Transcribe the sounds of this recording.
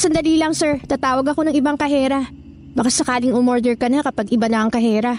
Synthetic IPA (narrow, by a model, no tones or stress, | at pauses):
sɐnd̪ɐliːlɐŋsɛɹt̪aːt̪aːwɐɡɐko̞nɐŋɪbaŋkɐɦɛːɾɐ | bɐkasɐkaːlɪŋʊmoɹd̪ɛɹkɐnakɐpaɡʔɪbanɐʔɐŋkɐɦɛːɾɐ